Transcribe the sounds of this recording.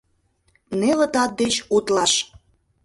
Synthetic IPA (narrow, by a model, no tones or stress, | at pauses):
nelə̆t̪ɑt̪̚d̪et͡ɕut̪lɑʃ